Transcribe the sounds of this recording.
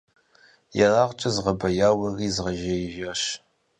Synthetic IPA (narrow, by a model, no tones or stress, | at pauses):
jɛraːʁt͡ʃʼɐzʁɐbɐjaːwɐɣiːzʁɐʒɐjʒɐʃ